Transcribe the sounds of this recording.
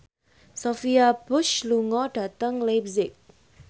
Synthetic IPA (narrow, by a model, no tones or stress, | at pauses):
sofiab̥ʊʃluŋɔɖ̥at̪əŋlap̚sɪk̚